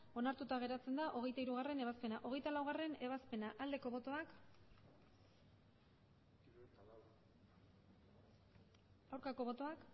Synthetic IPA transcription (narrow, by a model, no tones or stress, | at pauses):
o̞naɾt̪ut̪aɣ̞e̞ɾat͡se̞nd̪aʔo̞ɣ̞e̞jt̪aiɾuɣ̞are̞ne̞β̞aspe̞naʔo̞ɣ̞e̞jt̪alawɣare̞ne̞β̞aspe̞naʔald̪e̞ko̞βo̞t̪o̞ak | awɾkako̞β̞o̞t̪o̞ak